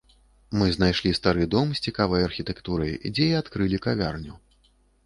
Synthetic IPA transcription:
mɨznajʂlʲist̪aɾɨd̪ɔmsʲt͡sʲikavɐjɐrxʲit̪ɛkt̪uɾɐjd͡zʲɛiat̪kɾɨlʲikavʲa̰rnʲu

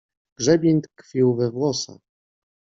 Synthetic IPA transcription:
ɡ̥ʐɛbʲɛnt̪kfʲiwvɛvwɔsa̰

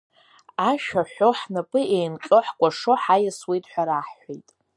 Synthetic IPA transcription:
aʃᶣaħʷoħnapʼɨʔejnqʲʼɨħkʷʼaʂo̞ħajaswe̞jtʼħʷaɾaħːʷejtʼ

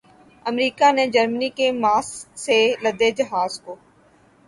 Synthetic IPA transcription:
əmɾiːkaned͡ʒəɾməniːkemaːsːeləd̪ed͡ʒəɦaːzkoː

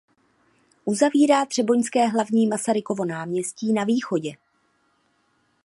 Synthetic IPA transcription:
ʔuzaviːɾaːt̪r̝̥ɛbo̞ɲskɛːɦlavɲiːmasaɾɪko̞vo̞naːmɲɛsciːnaviːxo̞ɟɛ

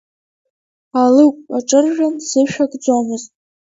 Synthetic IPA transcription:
alɨkʷʼaʈ͡ʂʼɨrʒᶣansɨʃᶣakʼd͡zamɨztʼ

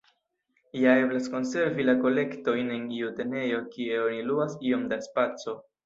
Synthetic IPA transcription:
jae̞blasko̞nse̞ɾvilako̞le̞kto̞jne̞niute̞ne̞jo̞kie̞o̞niluasio̞mdaspat͡so̞

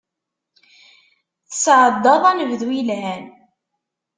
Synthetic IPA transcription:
θəsʕəd̪ːɑðˤænəvðwilæn

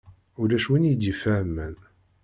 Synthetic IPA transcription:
ʊɾæʃwinjd̪ifæmːən

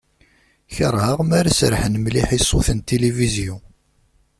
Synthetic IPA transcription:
çəɾˤhəʁmaɾasɾħənmliħisˤːoθənt̪eliviziu

